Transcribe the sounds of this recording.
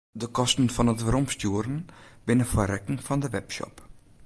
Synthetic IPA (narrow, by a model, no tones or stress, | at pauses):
dəkɔstn̩fɔnətʋəɾɔmstjuəɾənbɪnəfəɾɛkŋfɔndəʋɛpʃɔ̰p